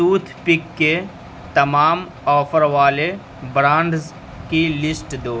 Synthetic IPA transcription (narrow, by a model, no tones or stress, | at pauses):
suːt̪ʰpɪkːe | t̪ɐmaːm | ɔːfʰəɾʋaːle | bɾãːɳɖz | kilɪsʈd̪oː